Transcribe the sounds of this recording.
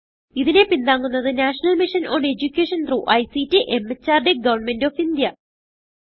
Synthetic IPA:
iðine̞pind̪aːŋːunːɐðɨnaːʂɐnɐlmiʂɐnʔoːned͡ʑukʲːeːʂɐnt̪ruːʔɐjsitːiʔemet͡ɕːaːrɖeɡɐʋɐrɳme̞ndoːfind̪jɐ

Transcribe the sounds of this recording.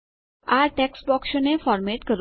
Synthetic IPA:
aɾʈɛksʈbɔːkʃonefɔːɾmeʈkəɾ

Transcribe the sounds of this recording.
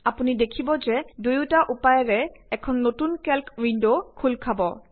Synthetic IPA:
apunidekʰibɔzɛdujutaʔupajɛɹɛɛkʰɔnːotunkɛlkwindokʰulkʰabɔ

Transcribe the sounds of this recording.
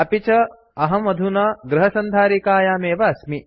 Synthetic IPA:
ɐpit͡ʃɐ | ɐɦɐmɐd̪ʱunɐɡɾɐɦɐsɐnd̪ʱaːɾikaːjaːmeːʋɐɐsmi

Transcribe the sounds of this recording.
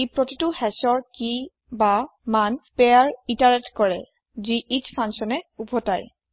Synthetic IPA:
ipɹotituhɛsɔɹki | bamanpɛaɹitaɹɛtkɔɹɛ | ziʔitfʰansɔnɛupʰɔtaj

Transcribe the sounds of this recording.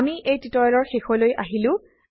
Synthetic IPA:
miʔejtitɔjɔlɔɹxexɔlojʔa̰ɦilʊ̃

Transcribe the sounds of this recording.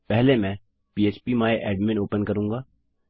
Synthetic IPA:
pɛɦlemɛ̃ː | piːeːt͡ʃpimaːeʔeːɖmɪ̃noːpənkɐɾũːŋɡaː

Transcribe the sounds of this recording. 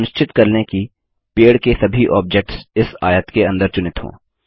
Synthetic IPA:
nɪʃt͡ʃɪt̪kɐɾneki | peːɽkesɐbʱiʔɔːb̚d͡ʒek̚ʈsɪsa̰ːjət̪keɐ̃nd̪əɾt͡ʃʊnɪt̪ɦõ̰ː

